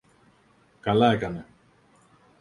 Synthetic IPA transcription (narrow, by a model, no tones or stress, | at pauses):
kɐlɐekɐne